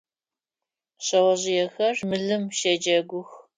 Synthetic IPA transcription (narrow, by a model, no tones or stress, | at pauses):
ɕɐwɐʑɪjɛxɐrmɨɮɨmʃɐd͡ʒɐɡʷʊx